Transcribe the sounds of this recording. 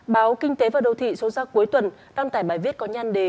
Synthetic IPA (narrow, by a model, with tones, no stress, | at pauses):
ɓaː˨˦wkï˧ŋ̟t̪e˨˦vaː˨˩wɗə˨˩wt̪ʰḭ˧˨so˨˦zaː˧ku˨˦əjt̪wə˨˩n | ɗaː˧ŋt̪aː˧˩jɓaː˧˩jvi˦˥ət̚kɔ˨˦ɲa˧nɗe˨˦